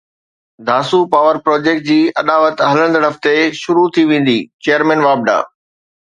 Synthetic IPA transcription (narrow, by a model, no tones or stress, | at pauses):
d̪ʱaːsupaːʋəɾpɾoːd͡ʑeːk̚ʈ̚d͡ʑiːɐɗ̪aːʋət̪ɦɐlə̃ɽ̃d̪əɽɐft̪eʃʊɾut̪ʰiʋẽːn̆d̪iːt͡ɕejəɾmɛ̃ːnʋaːb̚ɖa̰ː